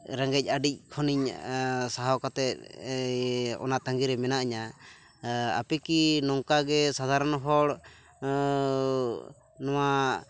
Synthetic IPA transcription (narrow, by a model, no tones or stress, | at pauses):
ɾə̃ŋɡɛc̚ˀaɖic̚ˀkʰɔniɲsaɦakat̪ɛʔ | ɔ̰nat̪aŋɡiɾɛmɛnaʔaɲa | a̰pɛkinɔŋkaɡɛsad̪ʱaɾənɦɔɽ | nɔwa